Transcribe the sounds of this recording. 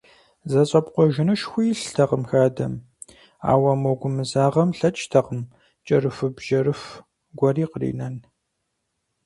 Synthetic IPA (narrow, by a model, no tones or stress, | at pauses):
zɐɕʼɐpqʷɔʒɪnɨʃxʷijɬtʰɐqəmxaːdɐm | a̰ːwɐmɔɡʷʊmɨzaːʁɐmɬɐt͡ʃʼtʰɐqəm | t͡ʃʼɐrɨfɨbʒɐrɨf | ɡʷɐriːqərḭːnɐn